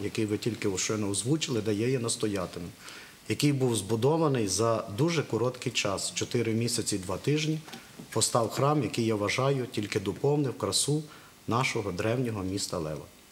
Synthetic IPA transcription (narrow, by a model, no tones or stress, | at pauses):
jɐkɪjʋɪtʲilʲkɪɔʃt͡ʃɔnɔɔzʋut͡ʃɪlˠɪd̪ɐjɛjɛnɐst̪ɔjɑt̪ɪmɪ | jɐkɪjbuwzbʊd̪ɔʋɐnɪjzɐd̪uʒɛkɔɾɔt̪kɪjt͡ʃɑst͡ʃɔt̪ɪɾɪmʲisʲɐt͡sʲid̪ʋɑt̪ɪʒnʲi | pɔst̪ɑwxɾɑmjɐkɪjaʋɐʒɑjʊtʲilʲkɪd̪ɔpɔwnɪwkɾɐsu | nɑʃɔɦɔd̪ɾɛwnʲɔɦɔmʲist̪ɐlˠɛ̰ʋɐ̰